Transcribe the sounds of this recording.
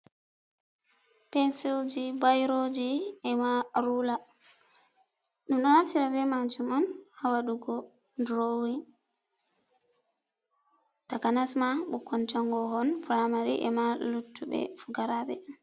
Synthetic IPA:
pɛnsild͡ʒibajɾod͡ʒiɛmaɾula | ɗumɗɔnatiɾabɛmad͡ʒumɔnhawaɗuɡɔ | ndɾowin | takanasmaɓukɔntaŋɡɔhɔnfuɾamaɾḭʔɛ̰malutːubɛ̰fuɡaɾaɓɛ̰

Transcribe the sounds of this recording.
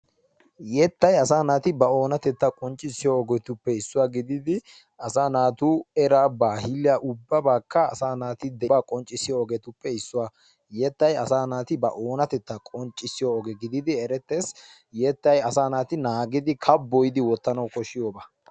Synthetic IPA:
jɛt̪ːɐjɐsaːnaːt̪ɪbɐo̞ːnɐt̪ɛt̪ːɐkʼɔnt͡ʃʼːɪsɪjoːɡɛt̪ʊpːɛɪsːʊwaːɡɪd̪ɪd̪ɪ | ɐsaːnaːt̪uːɛɾaːbaːhɪlːɪjaʔʊbːɐbaːkːɐːsaːnaːt̪ɪd̪ɛbaːkʼɔnt͡ʃʼːɪsːɪjoɔɡɛt̪ʊpːɛɪsːʊwa | jɛt̪ːɐjɐsaːnaːt̪ɪbɐʔoːnɐt̪ɛt̪ːɐkʼɔnt͡ʃʼːɪsːɪjoɔɡɛɡɪd̪ɪd̪ɪɛɾɛt̪ːe̞ːs | jɛt̪ːɐjɐsaːnaːt̪ɪnaːɡɪd̪ɪkʰɐbːɔjɪd̪ɪwɔt̪ːɐnɐwkɔʃɪjoːba

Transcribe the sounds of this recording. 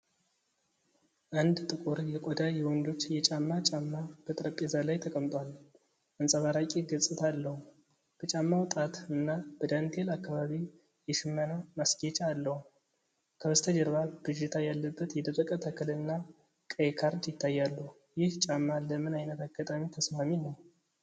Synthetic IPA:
ʔand̪t̪ʼɨkʼʊɾjɛkʼɔd̪ajɛwɔnd̪o̞t͡ʃːjɛt͡ʃʼamːat͡ʃʼamːab̥ət̪ʼɾəpʼːezalajt̪ʰəkʼəmt̪ʼwal | ʔɨnsʼəβaɾakʼeɡət͡sʼɨt̪ʰalːəhu | b̥ət͡ʃʼamːawt̪ʼat̪ɨnːab̥əd̪ant̪ʰelakːaβaβi | jɛʃɨmːənamasɡet͡ʃʼaːlːəhu | kʰəwəst̪ʰəd͡ʒɛɾβab̥ɨd͡ʒɪt̪ʰajalːəbːət̪jɛd̪əfʼəkʼət̪ʰəkʰɨlɨnːa | kʼəjkʰaɾd̪jɪt̪ʰːajːalːəhu | jɪht͡ʃʼamːaləmɨnajnət̪ʰaɡːat̪ʼamit̪ʰəsmaminəw

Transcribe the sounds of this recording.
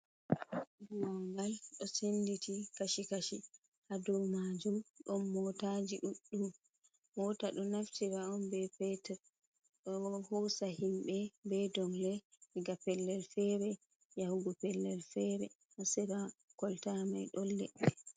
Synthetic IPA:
bwɔŋɡalɗɔsenditʰikaʃikaʃi | hadɔwmad͡ʒumɗɔmːɔtad͡ʒiɗuɗːumː | ɔtaɗɔnaftiɾaɔnbɛpɛtɛɾ | ɗɔhɔsahimɓɛbɛdɔŋlɛiɡapɛlːɛlfɛɾɛ | jahuɡɔpɛlːɛlfɛɾɛ̰ | ʔɔsɛɾakɔltamajɗɔlːɛ̰ɗːɛ

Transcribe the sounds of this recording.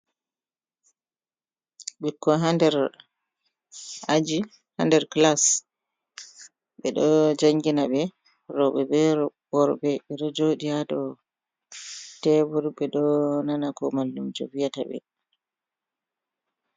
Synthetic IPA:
ɓɛkːɔɦandɛɾ | ʔad͡ʒi | handɛɾklas | ɓɛɗɔd͡ʒaŋɡinaɓɛ | ɾɔɓɛbɛɾɔbɔɾbɛɓɛɗɔd͡ʒoɗijadɔ | tɛbuɾbɛɗɔnanakɔmalːumd͡ʒo̰vijata̰ɓɛ̰

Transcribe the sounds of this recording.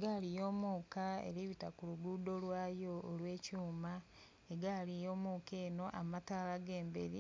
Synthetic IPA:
eɡalijo̞ːmuːkaḛɾiβitakuluɡuːdo̞lwaːjoːlwe̞ːcuːma | eɡaːlijo̞ːmuːkeːno̞ʔamataːlaɡe̞ːmbḛɾi

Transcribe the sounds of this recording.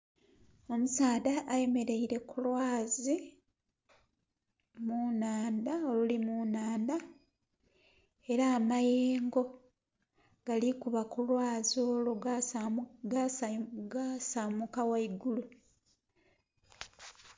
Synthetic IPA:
o̞musaːdaʔaje̞me̞ɾe̞iɾe̞kulwaːzi | munaːndao̞lulimunaːnd̪a | e̞ɾaːmajeeːŋɡo̞ | ɡ̥alikuβakulwaːzo̞ːlu | ɡaɡasamukawaiɡulu

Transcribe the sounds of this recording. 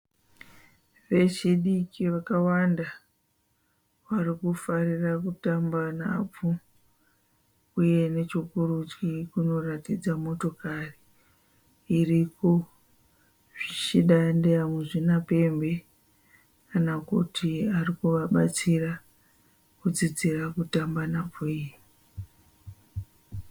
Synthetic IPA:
ʋe̞t͡ʃiɗikiʋakawanda | ʋarikufarirakutambana̰p͡fu | uje̞ne̞t͡ʃikurut͡ʃɡikuno̞ratid͡zamo̞to̞kari | riko | ʐ̥it͡ʃiɗandejamuʐinape̞mbe̞ | kanakutʰiarikuʋaɓat͡sira | kud͡zid͡zirakutambanap͡fuije

